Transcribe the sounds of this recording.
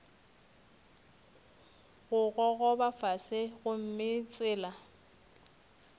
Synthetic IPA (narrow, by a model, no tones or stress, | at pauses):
ɣʊɣɔɣɔbafasɪɣʊm̩mɪt͡sʼɪːla